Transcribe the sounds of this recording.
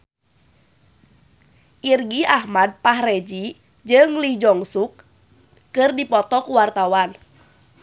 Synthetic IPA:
ʔirɡiʔahmad̚pahred͡ʒi | d͡ʒɨŋlid͡ʒɔŋsuk̚ː | ɨrdipɔt̪ɔkuwart̪awan

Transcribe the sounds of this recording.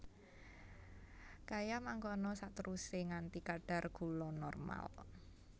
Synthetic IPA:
kajamaŋkɔnɔsat̪əɾuseŋant̪ikaɖ̥a̤rɡ̥ṳlɔnɔrma̰l

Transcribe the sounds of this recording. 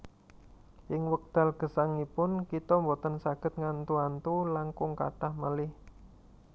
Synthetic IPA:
ʔɪŋwək̚d̪̥a̤lɡ̥ə̤saŋipʊnkit̪ɔmbɔt̪ənsaɡ̥ə̤t̪̚ŋant̪uant̪ulaŋkʊŋka̰t̪ahməlɪh

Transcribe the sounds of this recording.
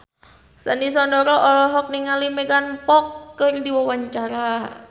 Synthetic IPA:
sandisɔndɔɾɔʔɔlɔɦɔk̚niŋalimɛɡanpɔkːərdiwawaɲt͡ʃaɾa

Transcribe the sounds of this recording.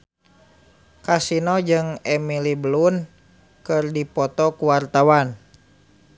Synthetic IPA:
kasinɔd͡ʒɨŋɛmilibəlun | kɨrdipɔt̪ɔkuwart̪awan

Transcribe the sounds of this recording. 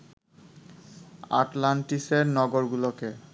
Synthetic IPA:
a̰tlantisɛnɔɡɔɹɡulɔkɛ

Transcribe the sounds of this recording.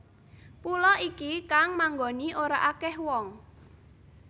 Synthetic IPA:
pulɔikikaŋmaŋɡoniʔoɾaʔakɛhwɔŋ

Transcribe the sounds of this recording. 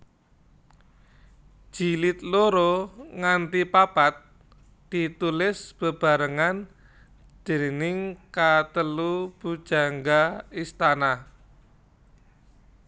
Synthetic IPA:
ʒ̥ilɪt̪̚loɾoŋant̪ipapat̪̚ | d̪̥it̪ulɪsb̥ə̤b̥a̤ɾəŋan | d̪̥e̤nɪŋkat̪əlub̥ud̥ʒ̥a̤ŋɡaist̪ana

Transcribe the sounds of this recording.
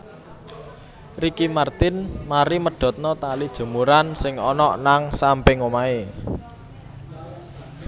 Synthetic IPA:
rikimart̪ɪnmaɾiməɖ̥ɔ̤t̪̚nɔt̪alid̥ʒ̥ə̤muɾansɪŋɔnɔʔnaŋsampɪŋomae

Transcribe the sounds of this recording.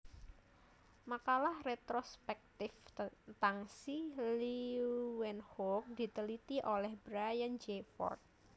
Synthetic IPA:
makalahret̪ɾospɛk̚t̪ɪfnt̪aŋsiliwɛnhok̚d̪̥i̤t̪əlit̪iʔolɛhbɾajand͡ʒefɔ̰rt̪̚

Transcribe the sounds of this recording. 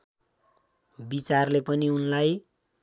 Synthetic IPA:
bit͡sarlepʌniunlaj

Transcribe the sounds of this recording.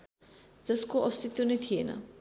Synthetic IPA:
d͡zʌskoʔʌst̪it̪ːonejt̪ʰijenʌ̰

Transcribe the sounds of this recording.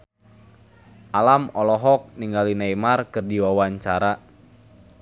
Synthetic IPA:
ʔalamɔlɔɦɔk̚niŋɡalinaimarkɨrdiwawaɲt͡ʃaɾa

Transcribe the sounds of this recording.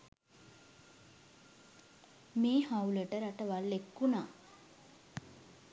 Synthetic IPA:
meːhawləʈəɾaʈəʋalːekːunaː

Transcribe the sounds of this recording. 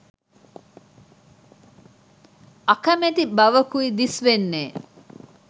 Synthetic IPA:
akɐmet̪ibɐʋəkuid̪isʋenːeː

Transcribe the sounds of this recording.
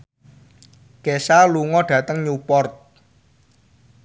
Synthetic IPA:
kesaluŋɔɖ̥ä̤t̪əŋɲupɔrt̪̚

